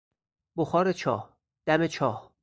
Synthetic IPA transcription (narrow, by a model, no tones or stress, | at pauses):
boxɒːɾet͡ʃʰɒːh | d̪̥æmet͡ʃʰɒːh